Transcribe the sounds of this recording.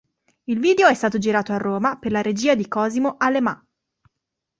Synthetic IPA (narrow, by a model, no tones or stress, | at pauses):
ilviːd̪eoɛst̪aːt̪od͡ʒiɾaːt̪oarːoːmaperlaɾed͡ʒiːad̪ikɔːzimoʔalːema